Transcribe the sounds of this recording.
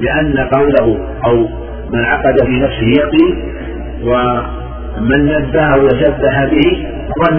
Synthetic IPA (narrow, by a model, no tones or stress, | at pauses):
lɪʔanːaqɑwlaɦʊ | ʔaw | manʕɑ̰qɑd̪afiːnafsɪhɪjɑqiːl | wa | manːabːaːhʊwaʃabːaħabɪhɪ | wan